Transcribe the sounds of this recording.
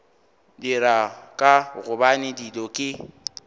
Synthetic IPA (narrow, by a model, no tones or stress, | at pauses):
dɪɾakʼaɣʊbanɪdilɔkʼɪ